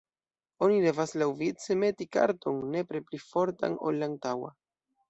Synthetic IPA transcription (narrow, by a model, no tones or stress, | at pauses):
o̞nide̞vaslawvit͡seme̞tika̰ɾto̞nːe̞pɾeplifo̞ɾta̰no̞̰lːaːntawa̰